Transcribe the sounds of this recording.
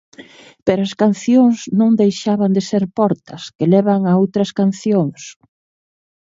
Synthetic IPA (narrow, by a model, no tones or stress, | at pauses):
peɾoɐskan̟θjoŋsznõŋd̪ejʃaβand̪eseɾpɔɾt̪ɐskelɛβɐŋɐowt̪ɾɐskan̟θjoŋs